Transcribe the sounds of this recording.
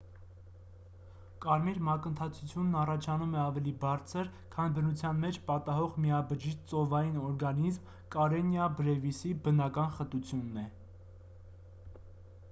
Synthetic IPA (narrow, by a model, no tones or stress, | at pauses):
kɑɾmiɾmɑkənt̪ʰɑt͡sʰut͡sʰjunːɑrɑt͡ʃʰɑnumɛɑvɛlibɑɾt͡sʰəɾkʰɑnbənut͡sʰjɑnmɛt͡ʃʰpɑt̪ɑɦɔʁmiɑbəd͡ʒiʃt͡sɔvɑjinɔɾɡɑnizm | kɑɾɛnjɑbɾɛvisibənɑkɑnχət̪ut͡sʰjunːɛ